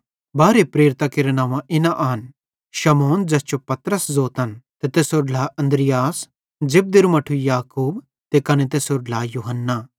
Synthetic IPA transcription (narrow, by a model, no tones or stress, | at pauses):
baːɾepɾeːɾɪt̪akɪɾenãːʋãʔɪnaʔaːn | ʃɐmoːnd͡ʒɐst͡ʃopɐt̪ɾəszoːt̪ɐnt̪et̪eːsoɾlaɐ̃nd̪ɾɪjaːs | d͡ʒɪb̚d̪ɪɾmɐʈʰujaːkuːb | t̪ekɐnet̪̬eːsoɾlajuɦənːaː